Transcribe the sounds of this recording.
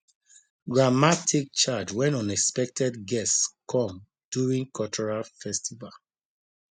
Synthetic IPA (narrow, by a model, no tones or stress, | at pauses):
ɡɹamatʰik̚t͡ʃad͡ʒwɛ̃nɔ̃nɛkspɛk̚tʰɛdɡɛstskʰɔ̃m | d̥juɹĩŋkʰɔt͡ʃʰɔɹalfɛstival